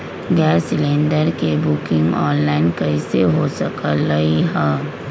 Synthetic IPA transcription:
ɡɛːsɪlẽːnɖəɾkebʊkɪ̃ŋɡɔ̃ːnlaːɪnkɐiseɦosɐkəlːɐiɦɛː

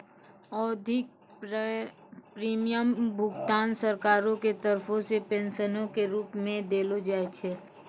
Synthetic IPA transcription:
ɔːd̪ʱɪk̚ | pɾiːmijəmbʱʊɡt̪aːnsəɾkaːɾõket̪əɾpʰõsepẽːnʃənõkeɾuːpmẽd̪eːlod͡ʒaːet͡ʃʰeː

